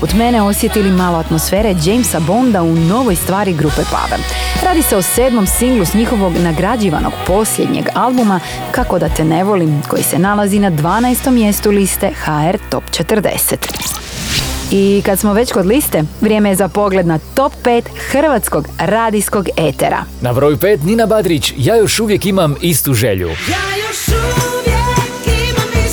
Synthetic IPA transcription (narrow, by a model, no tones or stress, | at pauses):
ut̪me̞ne̞o̞sje̞t̪ilimaːlo̞at̪mo̞sfe̞ːɾed͡ʒejmsabo̞nd̪auno̞ʋo̞jst̪ʋaːɾiɡɾupepa̰ʋḛl | ɾaːd̪iseo̞seːd̪mo̞msiŋɡlusɲixo̞ʋo̞ɡnaɡɾad͡ʑiːʋa̰no̰ɡpo̞sʎje̞d̪ɲḛɡalbuma | kako̞d̪at̪ene̞ʋo̞limko̞jḭse̞nalˠazinad̪ʋaːnaest̪o̞mːje̞st̪ulist̪e̞xaeɾt̪o̞̰pt͡ʃet̪ɾd̪e̞̰set̪ | ikad̪smo̞ʋe̞t͡ɕko̞d̪list̪e̞ʋɾʲjeːmejezapo̞ɡle̞d̪nat̪o̞pːe̞ːt̪xr̩ʋat̪sko̞ɡɾaːd̪isko̞ɡet̪ḛɾa̰nabɾoːjupe̞ːt̪ninabad̪ɾit͡ɕjaːjo̞ʃuʋjekimamist̪uʒḛʎṵ